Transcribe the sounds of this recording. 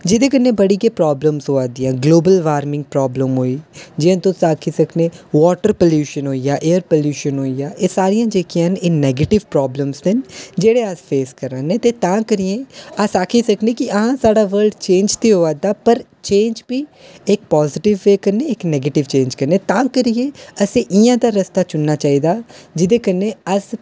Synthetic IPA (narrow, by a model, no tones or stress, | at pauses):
d͡ʒɪd̪ẽːkənːẽːbəɽiːkeːpɾɔːbləmzɦoːãːd̪ɪjãːɡloːbəlʋaːɾmɪ̃ŋɡ̚pɾɔːbləmɦoːiːd͡ʒɪãt̪õsaːkʰiːsəkʰnẽːʋɔːʈəɾpəljuːʃənɦoːijaːʔeːəɾpəljuːʃənɦoːijaːʔeːsaːɾijãːd͡ʒeːkijãːneːnɛːɡeːʈɪʋpɾɔːbləmzɪnd͡ʒeːɽeːasfʰeːskəɾãːneːt̪eːt̪ãːkəɾijẽːəsaːkʰiːsəkneːkɪəɦãːsaːɖaːʋəɾlɖt͡ʃẽːnd͡ʒt̪iːɦoːaːd̪aːpəɾ | t͡ʃẽːnd͡ʒbiːɪk̚pɔːzɪʈɪʋːeːkəɾneːɪknɛːɡeːʈɪʋt͡ʃẽːɲd͡ʒkəɾneːt̪ãːkəɾijeːəsẽːʔɪjãːd̪aːɾəst̪aːt͡ʃʊnːaːt͡ʃaːiːd̪aːd͡ʒɪd̪eːkəɾneːəs